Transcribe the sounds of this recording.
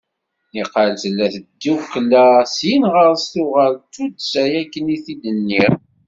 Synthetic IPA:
iqəlθəlːæθəd̪ːiwqlːæsjinʁəɾsθʊʁəlt̪ud̪sæjækːəniθid̪ənːiʁ

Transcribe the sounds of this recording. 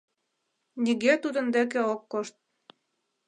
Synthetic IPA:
nʲiɣet̪ud̪ə̆nd̪ĕk̬eokːoʃt̪̚

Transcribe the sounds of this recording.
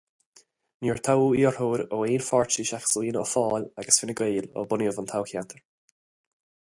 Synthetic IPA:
niːɹt̪ʰawiːəɹhoːɾoeːnfɔɹt͡ʃiʃaxsliːnɔ̰fɔːlaɡəsfɪnəɡeːlɔ̰bʊnjəvənt̪ʰawxjant̪ʰəɹ

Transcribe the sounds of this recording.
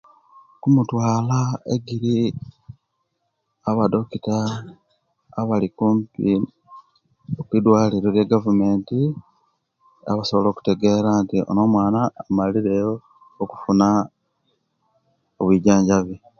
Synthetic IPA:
kumutwaːlaḛɡiɾi | aβado̞kita | βalikuːmpi | okwidwaːliɾoljeɡavume̞ːnti | a̰βaso̞βolo̞ːku̥te̞ɡe̞ɾantio̰no̞mwaːnaːmaliɾe̞joː | ku̥funa | oβwiɟaːɲɟaβi

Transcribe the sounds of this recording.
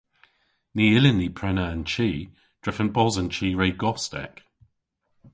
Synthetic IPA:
niːɪlɪnːiːpʰɹ̥ɛnəə̃nt͡ʃʰiː | d̥ɹɪfə̃nb̥ɔzə̃nt͡ʃʰiːɹeɪɡɔstɛ̰k

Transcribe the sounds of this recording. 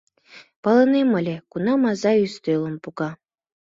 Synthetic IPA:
pɑlɤ̆nemɤlʲekunɑmɑzɑyst̪ølˠɤ̆mpukɑ

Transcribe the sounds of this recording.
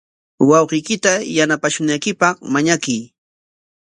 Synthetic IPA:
wɑwqijkɪt̪ajanapaʃʊnajkɪpɑχmaɲakij

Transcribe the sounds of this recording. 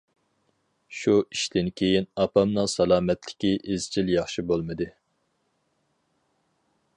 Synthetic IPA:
ʃuiʃt̪ɪnkʲʰejinɑpɑmnɨŋsɑlˠɑːmɛt̪lɪ̥kʲiʔezt͡ʃʰiljɑχʃibolˠmɨd̪ɨ

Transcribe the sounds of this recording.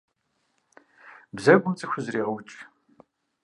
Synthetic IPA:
bzɐɡʷʊmt͡sʼɨxʷʊzriːʁɐwt͡ʃʼ

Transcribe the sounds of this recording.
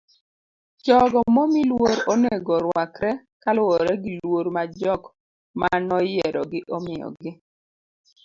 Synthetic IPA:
d͡ʒɔɡɔmɔmilwoɾoneɡɔɾwakɾɛ | kalʊɔɾɛɡilwoɾmad͡ʒɔk | manɔjɛɾɔ̰ɡɪʔɔmɪjɔ̰ɡɪ

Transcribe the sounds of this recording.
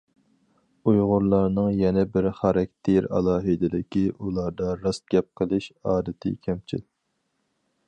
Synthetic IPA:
ujʁʊɾlˠɑɾnɨŋjɛnɛbɪɾχɑɾɑk̚ʲt̪ʰeɾɑ̰lˠɑːɦɨd̪ɪlɪkʲiʔulˠɑɾd̪ɑɾɑs̚ɡʲɛp̚qʰəlˠɨʃɑːd̪ɨt̪ʰɪ̰kʲʰɛmt͡ʃʰḭl

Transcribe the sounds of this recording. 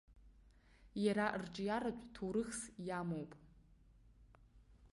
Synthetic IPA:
jaɾarʈ͡ʂʼjaɾat͡ʃʷʼtʰuɾɨxsjamowpʼ

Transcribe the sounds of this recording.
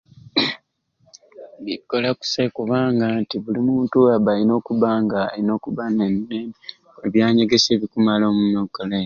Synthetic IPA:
βikːolaku̥sekuβaːŋɡantiβulimuːntuaβalino̞ːkuβaːŋɡaino̞ːkuβanemineːme | eβjaːɲeɡe̞se̞ːβikumalo̞ːmunokole

